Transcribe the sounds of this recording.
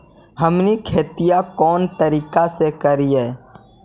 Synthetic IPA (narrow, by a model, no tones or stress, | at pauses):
ɦɐmnikʰeːt̪ijakɔːnt̪əɾiːkasekəɾiɛː